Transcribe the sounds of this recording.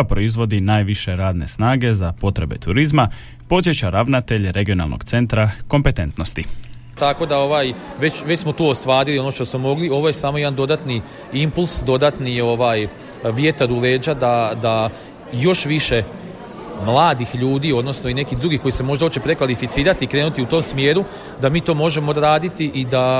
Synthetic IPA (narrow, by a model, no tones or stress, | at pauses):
apɾo̞izʋo̞d̪inaːjʋiʃe̞ɾaːd̪ne̞̰snaːɡe̞zapo̞t̪ɾe̞̰be̞̰t̪uɾizma | po̞t̪sje̞t͡ɕaɾaʋnat̪e̞ʎɾe̞ɡio̞na̰lˠnʔo̰ɡ̥t̪se̞nt̪ɾako̞mpe̞t̪e̞nt̪no̞st̪i | t̪ako̞d̪ao̞ʋaːjʋe̞t͡ɕʋet͡ɕsmo̞t̪uːost̪ʋaːɾilio̞no̞ʃt̪osmomo̞ɡlioʋoje̞saːmo̞jed̪and̪o̞d̪at̪ni | impulˠsd̪o̞d̪at̪nio̞ʋaːj | ʋje̞t̪aɾule̞ːd͡ʒad̪ad̪a | jo̞ʃʋiʃe̞ | mlˠaːd̪ixʎuːd̪iːo̞d̪no̞snoine̞kihd̪ɾuɡixko̞jise̞mo̞ʒd̪aot͡ɕepɾe̞kʋalifit̪siːɾat̪ikɾe̞ːnut̪iut̪o̞ːmsmje̞ːɾu | d̪amiːt̪o̞ːmo̞ʒe̞mod̪ɾaːd̪it̪iʔid̪a